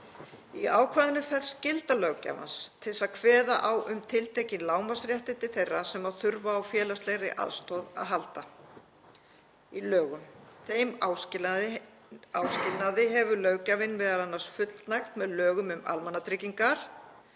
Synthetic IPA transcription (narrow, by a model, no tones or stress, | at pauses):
iaːwkʰvaːðɪnːʏfɛlscɪlt̪alœɣca̰va̰nst̪ʰɪlsaðkʰvɛːða̰ʔawʔʏmt̪ʰɪlt̪ʰejcɪnlaːwmasɾjɛht̪ɪnt̪ɪ̥θejrːasɛmaðθʏɾvaːwfjɛːlast̪lejɾɪʔa̰ðst̪ɔða̰ðɦalt̪a | ilœːɣʏmθejmaːwsɪ | awscɪlnaðɪɦɛvʏlœɣcavɪnmɛðalanːḁsfʏt̪lnajxt̪mɛðlœːɣʏmʏma̰lmanːat̪ɾɪciŋkaɾ̥